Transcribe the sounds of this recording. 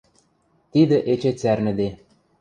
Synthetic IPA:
t̪id̪ɘ̆ʔet͡ɕet͡særnɘ̆d̪e

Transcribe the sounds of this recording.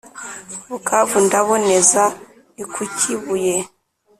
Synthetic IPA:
βukʰavundaβo̞neza | ikʰucʰiβuje

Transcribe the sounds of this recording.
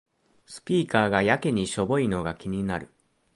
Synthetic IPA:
sɨ̥pʲiːkaːɡajakeɲ̟iɕo̞bo̞ino̞ɡakʲiɲ̟inaɾɯ̟

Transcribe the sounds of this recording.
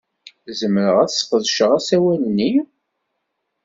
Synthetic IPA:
zəmːəɾəʁæθsfəðˤʃəʁæsæwælnːi

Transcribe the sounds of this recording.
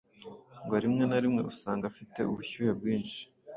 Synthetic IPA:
ŋɡoaɾimŋe̞naɾimŋe̞̰usaːŋɡafite̞̰uβuçuheb̚ɡiːnʃi̥

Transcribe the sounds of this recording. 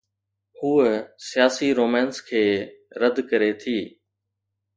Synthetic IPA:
huːsɪjaːsiɾoːmɛ̃ːnskʰeːɾəd̪ʱkəɾet̪ʰiː

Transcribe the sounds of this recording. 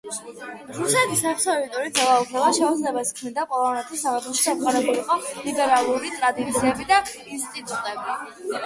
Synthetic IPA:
ɾusɛt̪ʰisaχsɔɾit̪ʼɔɾid̪zɛlˠaukʰɛvaʃɛud̪zlɛbaskʰmind̪apʼɔlˠɔvnɛt̪ʰisːavɛt̪χɔʃi̥ʃatqʼaɾɛbuliqʼɔlibʼɛɾalˠuɾit̪ʼɾad̪it̪sʰiɛbid̪a | inst̪ʼit̪ʼut̪ʼɛbi

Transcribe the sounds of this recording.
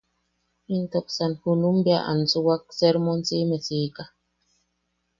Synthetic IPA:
intok̚sanhunumbjaʔa̰nt͡suwak̚sɛɾmont͡simesiːka

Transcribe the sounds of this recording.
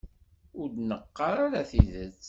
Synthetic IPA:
ʊɾd̪nəqːɑɾaɾaθiðət͡sː

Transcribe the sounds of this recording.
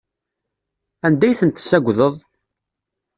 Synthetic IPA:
ænd̪æjθənt̪ə̥sːæɡʷðəðˤ

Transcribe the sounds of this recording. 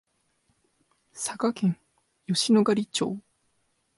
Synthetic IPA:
sakakẽ̞ŋ | jo̞ɕinoɡaɾʲit͡ɕo̰ː

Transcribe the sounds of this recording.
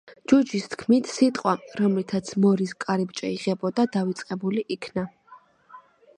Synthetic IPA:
d͡ʒud͡ʒist̪ʰkʰmit̪ʰsit̪ʼqʼwaɾɔmlit̪ʰat̪sʰmɔɾiskʼaɾip̚t͡ʃʼɛiʁɛbɔd̪ad̪avit̪sʼqʼɛbuliʔikʰna

